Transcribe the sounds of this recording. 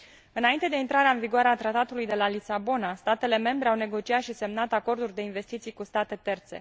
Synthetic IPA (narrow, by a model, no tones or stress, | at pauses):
ɨnaint̪e̞d̪e̞int̪ɾaɾeaɨnviɡoaɾeat̪ɾat̪at̪ulujd̪e̞lalisabo̞nast̪at̪e̞le̞me̞mbɾe̞awne̞ɡo̞t͡ʃiat̪ʃise̞mnat̪ako̞rd̪urʲd̪e̞inve̞st̪it̪sijkust̪at̪e̞t̪e̞rt̪se̞̰